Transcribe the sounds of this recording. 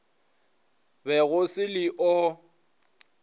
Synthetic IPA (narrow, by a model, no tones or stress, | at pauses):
bɛɣʊsɪlɪʔɔ